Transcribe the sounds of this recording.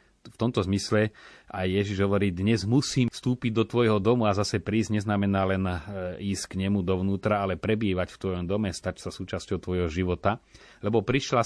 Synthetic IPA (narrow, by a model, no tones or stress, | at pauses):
ft̪ɔmt̪ɔzmislɛajːɛʒiʒɦɔʋɔɾiːd̪ɲɛzmusiːmfst̪uːpiɟd̪ɔt̪ʋɔjɦɔd̪ɔmuazasɛpɾiːzɟɲɛznamɛnaːlɛniːsckɲɛmud̪ɔʋnuːt̪ɾaalɛpɾɛbiːʋacft̪ʋɔjɔmd̪ɔmɛst̪acsasuːt͡ʃascɔʊt̪ʋɔjɦɔʒiʋɔt̪alɛbɔpɾiʃla